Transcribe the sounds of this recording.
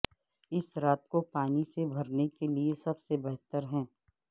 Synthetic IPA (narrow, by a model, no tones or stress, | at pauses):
ɪsɾaːt̪̚kopaːnisebʱɐɾnekeliesɐbsebɛɦt̪əɾɦɛ̃ː